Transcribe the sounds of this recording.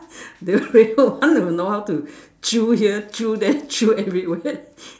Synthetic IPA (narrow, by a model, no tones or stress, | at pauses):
deɹiwɔ̃nwənohaʊtu | t͡ʃuhiət͡ʃudɛt͡ʃuɛvɹiwɛ